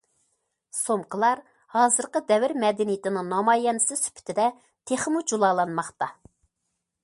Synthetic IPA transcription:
somqʰəlˠɑɾ | hɑːzɨɾqəd̪ɛvɪɾmɛd̪ɛnijɪt̪ʰɪnɪŋnɑmɑːjɛnɪsɪsy̥pʰɪ̥t̪ʰɪd̪ɛ | t̪ʰeχmud͡ʒulˠɑːlˠɑnmɑχt̪ɑ

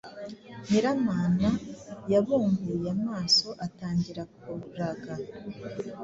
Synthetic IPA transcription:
heɾamaːnajaβuːŋɡujamaːso̞ʔataːɲɟiɾakuɾaɡa

